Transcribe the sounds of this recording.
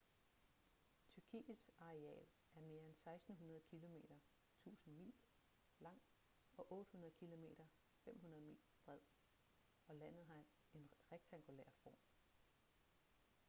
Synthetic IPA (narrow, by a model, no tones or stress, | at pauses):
t͡sʰyɐkʰḭːsɑ̈ʁeɛ̰ːl | æɐme̝ːɐensɑ̈ɪsd̥n̩ɦunɐð̩ˠkʰilo̝me̝ːɾ̥ɐ | t͡sʰṵːsn̩mḭːl | lɑ̈ŋ̰ | ɒ̽ʔɔ̽ːd̥əhunɐð̞̩ˠkʰilo̝me̝̰ːɾ̥ɐ | fem̰ɦunɐð̞̩ˠmḭːlb̥ʁɛð̰ˠ | ɒ̽læn̰ð̞̩ˠɦɑ̈ | e̝nʁeɡ̥̚t͡sʰæŋɡ̥ulḛːɐ̰fɒ̰ːm